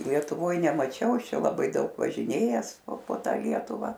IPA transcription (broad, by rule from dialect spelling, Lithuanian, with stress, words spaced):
lʲiɛtʊˈʋoːj nʲɛmɐˈt͡ʃʲɛʊ ˈɐʃ ˈt͡ʃʲɛ lˠɐˈbɐɪ ˈdɐʊk ʋɐʒʲɪˈnʲeːjæːs poː ˈtɑː ˈlʲiɛtʊʋɐ